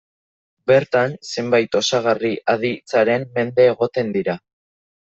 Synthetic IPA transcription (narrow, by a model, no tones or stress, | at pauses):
be̞ɾt̪anse̞mbajt̪o̞saɣ̞ariʔað̞it͡saɾe̞mme̞nd̪e̞ːɣo̞t̪e̞nd̪iɾa